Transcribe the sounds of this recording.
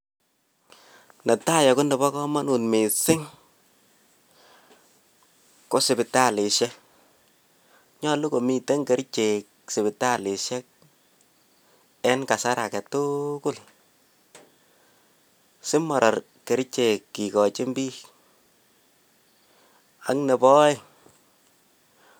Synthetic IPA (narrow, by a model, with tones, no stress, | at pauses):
nɛ˨ta˦˨jɔ˨kʊ˦ndɛ˨bɔ˦kɔ˦ma˦nu˨nmi˨sɪ˦ŋ | ko˦sɪ˨bɪ˨ta˦˨lɪ˨ʃɛ˦ | ɲɔ˦lu˦ko˨mi˨tɛ˦ŋke˨ɾt͡ʃe˨k | sɪ˨bɪ˨ta˦˨lɪ˨ʃɛ˦k̚ | ɛ˦nka˨sa˦ɾa˨kɛ˨tʊ˦kʊ˦l | sɪ˦mːɔ˨ɾʔɔ˨r | ke˨ɾt͡ʃe˨kːi˨kɔ˨t͡ʃɪ˦mbiː˦ | a˦ŋnɛ˨pɔ˦ɪ˦